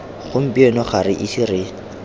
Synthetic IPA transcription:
χʊm̩piɔnɔχaɾɪʔisirɪ

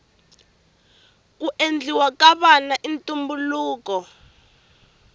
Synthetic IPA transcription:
kuʔend͡ɮʱiwakaβanaʔintʼumbuluːkɔ

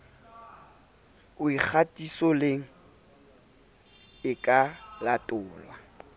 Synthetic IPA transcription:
ʊik͡xʰatʼisɔleŋ̩ | ɪkʼalatʼʊːlwa

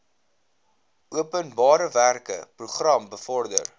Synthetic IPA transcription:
uəpənbɑːɾəværkə̰pruχrɐmbəfɔrdə̰r

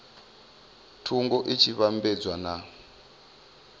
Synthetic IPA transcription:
tʰuŋɡɔʔit͡ʃʰiβambɛd͡zwana

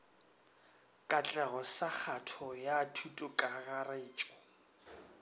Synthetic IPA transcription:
kʼat͡ɬʼɛɣɔsak͡xʰatʰɔjatʰutʼʊkʼaɣareːt͡ʃʼɔ

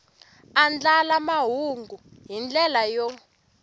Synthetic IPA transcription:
and͡ɮalamaɦuŋɡuɦind͡ɮɛlajɔ

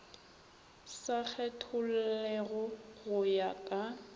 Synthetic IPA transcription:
sak͡xʰɛtʰʊl̩lɛɣʊɣʊjakʼa

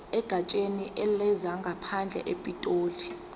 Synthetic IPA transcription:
ɛɡ̥ʱat͡ʃʼeniʔɛlɛzaŋɡʱapʰand͡ɮʱɛ̰ʔepʼitʼoːli

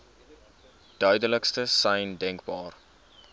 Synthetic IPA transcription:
d̥œɥdələkstəsɛjndɛŋkbɑːr

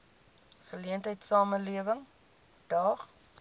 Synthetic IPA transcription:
χəliəntɦəjtsɑːməliəvəŋ | d̥ɐχ

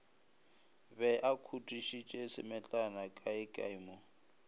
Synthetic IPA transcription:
bɛʔakʰutʼiʃit͡ʃʼesɪ̰mɛt͡ɬʼanakʼaɪkʼa̰imʊ

